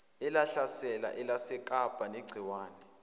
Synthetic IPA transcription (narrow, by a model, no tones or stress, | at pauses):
ɛlaɬasɛla̰ʔɛlasɛkʼab̥ʱaneɡ͡ǀʱiwaːnɛ